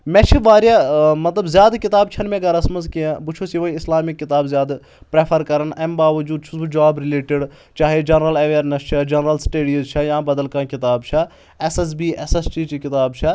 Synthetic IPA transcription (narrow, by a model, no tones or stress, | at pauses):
mɛ̃t͡ʃʰiʋaːɾjamɐt̪lɐbzjaːd̪kɪt̪aːb̚t͡ʃʰɐnmẽɡɐɾɐsmɐnzkiẽbut͡ʃʰosiʋɐiɪslaːmikːɪt̪aːbzjaːd̪ | pɾeːpʰɐɾkɐɾɐnɐmbaːʋɐd͡ʒuːd̪̚t͡ʃʰusbud͡ʒaːbɾɪleːʈɪɖ | t͡ʃaːɦed͡ʒɐnɾɐlɐʋeːɾnɐst͡ʃʰɐd͡ʒɐnɾɐlsʈeːɖijuzt͡ʃʰɐjãːbɐd̪əlkãːkɪt̪aːbt͡ʃʰɐ | ɛses̬biːʔɛsesʈiːt͡ʃikɪt̪aːbt͡ʃʰɐ